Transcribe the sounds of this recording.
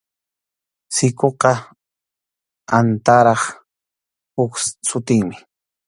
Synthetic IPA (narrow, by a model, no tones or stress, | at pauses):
sɪkoqɑ | ant̪aɾɑχ | ʊksʊt̪ɪŋmɪ̥